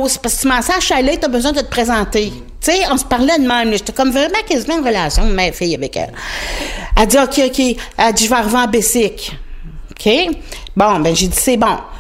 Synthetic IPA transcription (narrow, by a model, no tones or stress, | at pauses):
spasksimɑ̃ːsaʒʃalet̪ɔbəzwɛ̃d̪ət̪ə̥pχezɑ̃ːt̪e | t͡seɔ̃sə̥paʁlɛd̪mɛ̃ɪ̃mləʒet̪ɛkɔmvʁɛmãkazivãʁəlasjɔ̃mafɪjavɛkɛ̰l | ad͡zziokʲʰeokʲʰead͡z̪iʒvaʁvãbesɪkokʰʲe | bɔ̃bɛ̃ʒed͡zisɛbɔ̃